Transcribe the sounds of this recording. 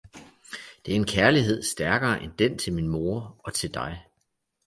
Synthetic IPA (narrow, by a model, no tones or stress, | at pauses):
d̥e̝æɐe̝nkʰæɐliɦe̝ð̞̰ˠsd̥æɐɡ̥ɐːʔend̥ent͡sʰe̝lminmo̝ːɐɒ̽t͡sʰe̝ld̥ɑ̈ɪ